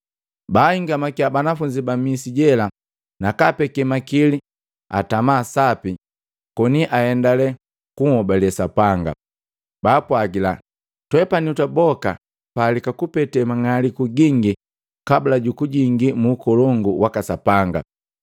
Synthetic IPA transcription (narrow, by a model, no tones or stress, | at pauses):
baːhiŋɡamakiabanafuɲd͡ʒibamisiɟɛla | nakapɛkɛmakili | a̰tamaːsapi | kɔniʔahɛndalɛ | kuŋɔbalɛsapaŋɡa̰ | baːpwaɡila̰ | twɛpanutabɔka̰ | paːlikakupɛtɛmaŋalikuɡiŋɡi | kabulaɟukuɟiŋɡimuːkɔlɔŋɡuwakasapaŋɡa̰